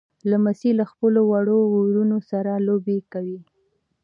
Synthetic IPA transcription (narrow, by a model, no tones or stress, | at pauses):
lamasilaxpəlowaɽoɣoɾunosaɾalobekawi